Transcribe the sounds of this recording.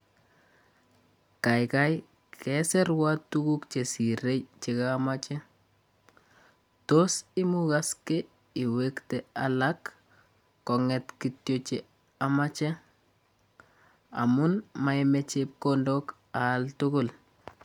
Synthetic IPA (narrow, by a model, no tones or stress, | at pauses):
kajkaj | kʰɛsɛɾwatːukukt͡ʃesiɾet͡ʃɪkamat͡ʃɛ | tosɪmukaske | iwektealakː | ɔŋɛtkitjot͡ʃe | amat͡ʃɛ | a̰mʊnmajmɛt͡ʃep̚kondok | altʊɡʊl